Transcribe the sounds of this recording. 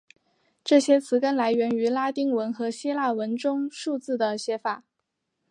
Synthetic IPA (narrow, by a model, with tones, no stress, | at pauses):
ʈ͡ʂɤ˥˩ɕjɛ˥t͡sʰɹ̩˧˥kə˥nla˧˥ɪɥɛ˧˥ny˧˥la˥t̪i˥ŋwə˧˥nxɤ˧˥ɕi˥la˥˩wə˧˥nʈ͡ʂʊ˥ŋʂu˥˧t͡sɹ̩˥˩d̪ə˩ɕjɛ˧˥fa˨˩˦